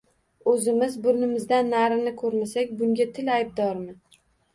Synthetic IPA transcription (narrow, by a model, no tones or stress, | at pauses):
ɵzɪmɪzbʊɾnɪmɪzd̪anːaɾɪnɪkʰɵɾmasakʲbʊŋɡʲat̪ʰɪlajb̚d̪ɒɾmɪ